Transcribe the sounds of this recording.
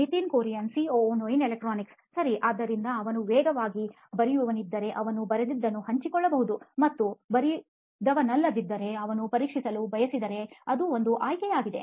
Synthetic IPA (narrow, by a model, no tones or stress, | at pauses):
it̪iːnkoːɾijɐnsioːnoːjinelek̚ʈɾoːniks | sɐɾiʔaːd̪ːɐɾind̪ɐɐʋɐnuʋɛːɡɐʋaːɡi | bɐɾijuʋɐnid̪ːɐɾe̞ʔɐʋɐnubɐɾed̪id̪ːɐnːuhɐɲt͡ʃikɔɭːɐbɐɦud̪umɐt̪ːubɐɾi | d̪ɐʋɐnɐlːɐd̪id̪ːɐɾe̞ɐʋɐnupɐɾiːkʂisɐlubʱɐjɐsid̪ɐɾe̞ɐd̪uo̞nd̪uʔaːjkɛjaːɡid̪e̞̰